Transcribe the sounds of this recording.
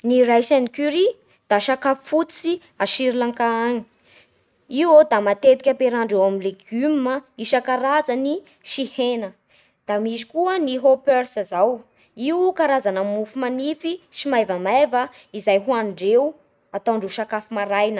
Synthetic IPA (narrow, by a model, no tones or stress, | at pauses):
niɾajsanikyɾi | d̪̥aʃakafi̥fut͡si | aʃiɾilaŋkaaɲi̥ | iwod̪amat̪et̪i̥kʲəpeɾaɳɖ͡ʐewamileɡymməiʃəkaɾazani | ʃihenə | d̪̥amisi̥kuəniɦopøɾsazaw | iwkaɾazanəmufumanifiʃimajvəmajvə | izajɦuanɖ͡ʐew | at̪awɳɖ͡ʐeʃakafimaɾajnə